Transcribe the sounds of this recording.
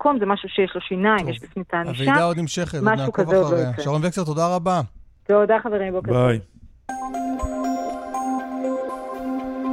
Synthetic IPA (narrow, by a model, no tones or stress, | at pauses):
komzemaʃuʃejeʃlo̞ʃinaimjeʃbifnitaːnaiveʃadaod̪nimʃeχetmaukazfelojot̪ʃaʁonvekset̪od̪aʁaba | z̥eod̪aχaveʁimbokbaj